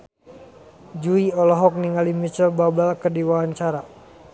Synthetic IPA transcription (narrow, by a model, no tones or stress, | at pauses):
d͡ʒuiɔlɔɦɔk̚niŋalimit͡ʃəlbabalkərdiwawaɲt͡ʃaɾa